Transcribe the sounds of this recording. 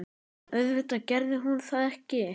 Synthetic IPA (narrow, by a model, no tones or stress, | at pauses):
œðvɪht̪acɛɾðɪɦunθaðɛhcɪ